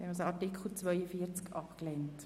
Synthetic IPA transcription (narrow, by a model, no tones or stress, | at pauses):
ɛnɔsəɑtikʰl̩t͡svœʏəfiːəɾt͡skʔɑpklɛnt